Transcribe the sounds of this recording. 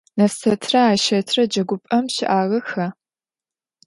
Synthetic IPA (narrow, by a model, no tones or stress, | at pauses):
nɐfsɐtʰrɐaːʃɐtʰrɐd͡ʒɐɡʷʊpʼɐmɕɪʔaːʁɐxɐ